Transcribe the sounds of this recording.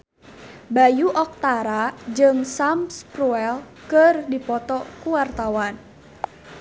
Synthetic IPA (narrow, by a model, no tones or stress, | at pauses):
bajuʔɔk̚t̪aɾad͡ʒɨŋsamspɾuɛl | kərdipɔt̪ɔkuwart̪awan